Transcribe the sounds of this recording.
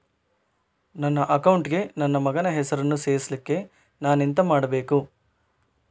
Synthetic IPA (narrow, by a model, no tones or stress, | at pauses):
nɐnːɐʔɐkɐwɳʈɡe̞nɐnːɐmɐɡɐnɐɦɛsɐɾɐnːuseːɾislikːe̞ | naːnint̪ɐmaːɽɐbe̞ːku